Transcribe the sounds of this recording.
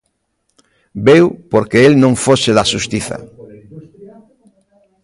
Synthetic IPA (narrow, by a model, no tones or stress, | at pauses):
bewpoɾkeelnõŋfoseðaʃust̪iθɐ̰